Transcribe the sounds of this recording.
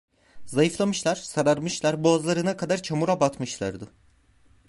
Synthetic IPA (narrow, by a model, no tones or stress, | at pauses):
zajɯflˠamɯʃlˠaɾ̥saɾaɾmɯʃlˠaɾboazlˠaɾɯnakʰad̪aɾt͡ʃʰamuɾabat̪mɯʃlˠaɾd̪ɯ